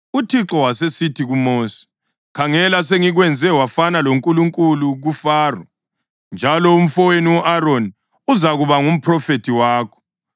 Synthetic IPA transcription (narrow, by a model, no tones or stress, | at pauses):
utʰiǁɔwasesitʰiɣumoːsi̥ | kʰaŋɛlas̬eŋiɣwɛnd͡zʱɛwafanaloŋkʼuluŋkʼuluɣufaːrɔ | nd͡ʒʱalɔum̩fɔweniwɔʔaɾoni | uzaɣuβaŋum̩pʰrɔfetʰiwaːkʰɔ̥